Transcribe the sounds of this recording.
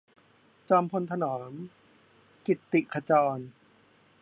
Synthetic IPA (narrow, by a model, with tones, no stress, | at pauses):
t͡ɕɔː˧mpʰo˧nt̪ʰa˧nɔː˩˦m | ki˨˩t̪ːi˨˩ʔkʰa˧t͡ɕɔː˧n